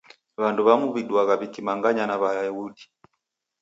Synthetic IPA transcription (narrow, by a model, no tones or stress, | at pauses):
βanduβamuβiɗwaɣaβikimaŋɡaɲanaβaɛuɗi